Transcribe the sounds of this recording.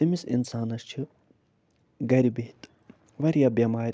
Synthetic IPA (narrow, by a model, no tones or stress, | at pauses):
imisḭnsaːnɐst͡ʃʰi | ɡɐɾibiɦit̪ | ʋɐɾijabjɐmaːɾ